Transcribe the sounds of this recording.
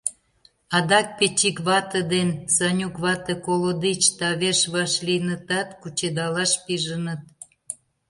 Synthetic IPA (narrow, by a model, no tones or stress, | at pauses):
ɑd̪ɑk̚pet͡ɕikβɑt̪əd̪ensɑnʲukβɑt̪ə̆kolod̪it͡ɕt̪ɑβeʃβɑʃlinət̪ɑt̪kut͡ɕed̪ɑlɑʃpiʒənə̆t̪̚